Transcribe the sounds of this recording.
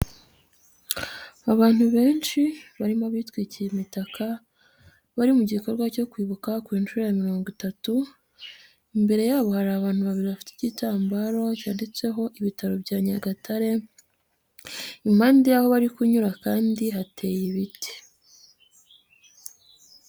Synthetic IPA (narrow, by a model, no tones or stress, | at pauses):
aβaːn̥huβe̞ːnʃiβaɾimoβiːtkwiːcijemitakʰa | βaɾimuɟiko̞ɾɡwaco̞kwiːβukakwiːnʃuɾejamiɾo̞ːŋɡitatu | imbe̞ɾe̞jaːβo̞haɾaːβaːn̥huβaβiɾiβafi̥te̥citaːmbaɾo̞caːndet͡se̞ɦo̞ʔiβitaɾo̞bɟaːɲaɡatʰaɾe̞ | im̥haːndijaho̞βaɾikuɲuɾakaːndiɦatʰe̞ːjiβiti̥